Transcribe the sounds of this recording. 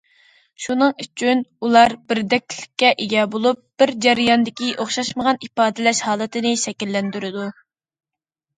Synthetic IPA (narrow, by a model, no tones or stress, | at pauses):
ʃunɨŋyt͡ʃʰynulˠɑɾbɪɾd̪ɛkʲlɪkʲːɛʔeɡʲɛbolˠup̚b̥ɪɾd͡ʒɛɾɪjɑnd̪ɪkʲiʔoχʃɑʃməʁɑnipɑːd̪ɪlɛʃhɑːlˠɨt̪ʰɪnɪʃɛkʲilːɛnd̪yɾɪd̪u